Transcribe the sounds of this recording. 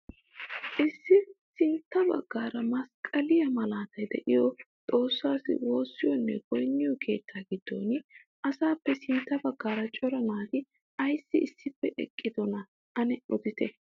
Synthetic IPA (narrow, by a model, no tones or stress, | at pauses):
ʔɪsːɪsɪnt̪ːɐbɐ̰ɡːaːɾɐmɐskʼɐlɪjɐmɐlaːt̪ɐjd̪ɛ̰ʔɪjɔt̪ʼo̞ːsːaːsɪ̰wo̞ːsːɪjɔnːɛ̰ɡɔjnːɪjɔkʰe̞̰ːt̪ːaːɡɪd̪̥ːo̰ːn | ʔɐsaːpːɛsɪnt̪ːɐbɐɡːaːɾɐt͡ʃʼɔɾɐnaːt̪ɪ | ɐjsːɪɪsːɪpːɛʔɛ̰kʼːɪd̪ɔnɐ | ʔɐnɛɔd̪ɪt̪ɛ